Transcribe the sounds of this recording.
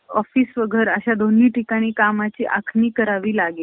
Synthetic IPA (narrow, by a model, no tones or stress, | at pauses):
ɔfiːsʋəɡʱəɾəɕad̪onːiːʈikaɽ̃iːkamat͡ɕiːʔakʰniːkəɾaʋiːlaɡe